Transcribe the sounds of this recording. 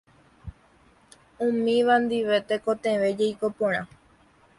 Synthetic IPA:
ũmĩʋand̪iʋe̞t̪ekot̪ẽʋe̞d͡ʒejko̞põɾ̃ã

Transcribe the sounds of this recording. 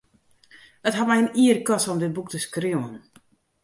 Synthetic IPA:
ətɦatmɛjəniərkɔsɔmdɪt̚buk̚təskriən

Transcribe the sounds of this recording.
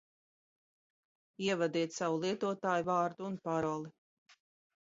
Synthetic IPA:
iɛvad̪iːt̪sawulˠiɛt̪uɔt̪aːjuvaːɾd̪uːnpaɾɔlˠi

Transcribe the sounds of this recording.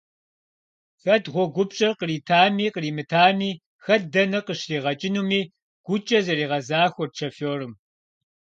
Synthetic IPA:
fɐdʁʷɔɡʷʊpɕʼɐrqəriːtʰaːmiːqəriːmɨtʰaːmiː | xɐdɐnɐqəɕriːʁɐt͡ʃʼɪnuːmiː | ɡ̥ʷʊt͡ʃʼɐzɐriːʁɐzaːxʷɔrt͡ʃʰɐfoːrɨm

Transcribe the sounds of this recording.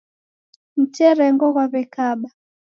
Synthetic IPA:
m̩t͡ʃɛɾɛŋɡɔɣwaβɛkaɓa

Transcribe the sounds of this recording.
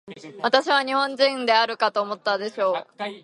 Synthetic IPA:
βat̪aɕiβaɲ̟ihõ̞ɲ̟d͡ʑĩnd̪e̞aɾɯ̟kat̪o̞ːmo̞t̪ːad̪e̞ɕo̞ː

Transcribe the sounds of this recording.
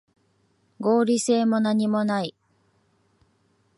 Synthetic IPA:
ɡo̞ːɾʲise̞ːmo̞naɲ̟imo̞nai

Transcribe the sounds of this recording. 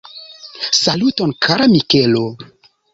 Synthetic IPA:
salutonkʰaɾamikelo

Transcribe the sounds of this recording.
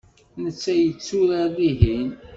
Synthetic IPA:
nət͡sːæjət͡sːuɾaðiɦin

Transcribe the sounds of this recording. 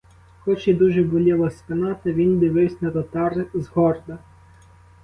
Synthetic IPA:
xɔt͡ʃɛd̪uʒɛbʊlʲɛlˠɔspɪnɑt̪ɪʋʲind̪ɪʋɪwsʲnɐt̪ɔt̪ɑrzɦɔrd̪ɐ

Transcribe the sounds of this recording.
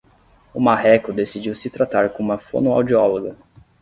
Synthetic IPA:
umaɦɛkʊd̪esid͡ʒiwsɪt̪ɾat̪aɾkõũmɐfo̰nua̰wd͡ʒiɔloɡɐ

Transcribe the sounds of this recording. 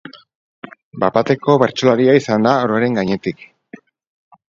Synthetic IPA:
bapat̪e̞ko̞βe̞ɾt͡ʃolaɾiaisand̪aoɾaɾe̞ŋɡaɲe̞t̪ik

